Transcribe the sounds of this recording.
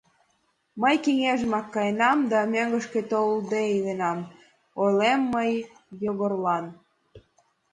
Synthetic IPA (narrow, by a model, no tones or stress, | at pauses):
məjkeŋeʒəmɑkːɑjnɑmd̪ɑmøŋɡə̆ʃket̪old̪eilenɑm | olemːəj | joɣorlɑn